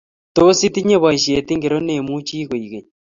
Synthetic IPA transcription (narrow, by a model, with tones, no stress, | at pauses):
to˦si˦ti˦ɲe˦βa˨i˨ʃi˨e˨ti˦ŋɡe˨ɾo˦ne˨mut͡ʃiː˦ɣo˨iɣe˨